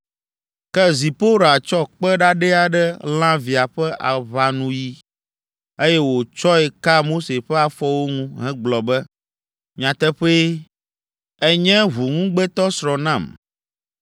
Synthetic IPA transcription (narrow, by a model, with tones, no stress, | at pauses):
kɛ˦zi˨po˦ɾa˨t͡ʃɔ˦k͡pɛ˦ɖa˦ɖɛ˦a˨ɖɛ˦l̃ã˦vi˨a˨ɸɛ˦ʔa˨βa˨nũ˦ji˦ | e˦jɛ˦wo˨t͡ʃɔ˦ɛ˨ka˦mo˦se˨ɸɛ˦a˨fɔ˦wo˦ŋũ˦ɦɛ̃˦ɡ͡blɔ˨bɛ˦ | mĩ˨ã˨t̪ɛ˦ɸe˦ | ɛ˦ɲɛ̃˦ɦu˨ŋũ˦ɡ͡bɛ˦t̪ɔ˦sɾɔ̃˨nã˦˨m